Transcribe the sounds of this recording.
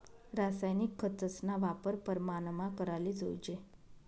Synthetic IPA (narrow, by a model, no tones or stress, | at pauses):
ɾasajnikʰːət̪əsnaʋapəɾpəɾmanəmakəɾalid͡zʱo̰jd͡ʑe